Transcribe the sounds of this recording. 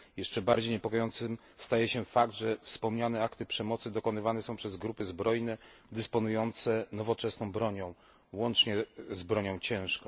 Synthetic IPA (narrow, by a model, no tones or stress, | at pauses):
jɛʂt͡ʂɛbaɾd͡ʑejɲɛpɔkɔjɔnt̪sɘm | st̪ajɛɕɛfakd̪ʐɛfspɔmɲanɛakt̪ɘpʂɛmɔt̪sɘd̪ɔkɔnɘvanɛsɔ̃w̃pʂɛzɡɾupɘzbɾɔjnɛd̪ɘspɔnujɔnt̪sɛnɔvɔt͡ʂɛsnɔ̃w̃bɾɔɲɔ̃w̃ | wɔnt͡ʂɲɛzbɾɔɲɔ̃w̃t͡ɕɛ̃w̃ʂkɔ̃